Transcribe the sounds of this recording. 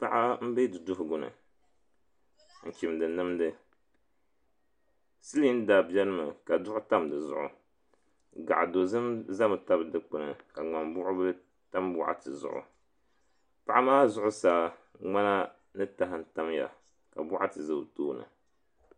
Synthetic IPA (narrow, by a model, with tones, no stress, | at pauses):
pa˨ʔa˦m̩˦be˦dɨ˨dʊ˦ɦʊ˨ɡʊ˨nɨ̰˨ | ŋ̩˨kʲi˨mdɨ˨nɨ˦mdɨ˦ | sɨ˦li˦n̩˦da˨bjɛ˦lɨ˦mɨ˨ka˨dʊ˦ʔʊ˦ta˦mdɨ˨zʊ̰˦˨ʔʊ̰˨ | ɡa̰˨ʔa˨do˨zɨ˦mza˦mɨ˨ta˦bɨ˨dɨ˨k͡pɨ˨nɨ˨ka˨ŋ͡ma˨mbʊ˦ʔʊ˦bɨ˦ | ta˦mbʊ˦ʔa̰˦tɨ˨zʊ̰˦ʔʊ̰˨ | pa˨ʔa˦maː˦zʊ˦ʔʊ˦saː˨˦ŋ͡ma˦na˦ | nɨ˦ta˦ɦɨ˦n̩˦ta˦mja̰˨ | ka˨bʊ˦ʔa˦tɨ˨zɨ˦btoː˦nɨ̰˨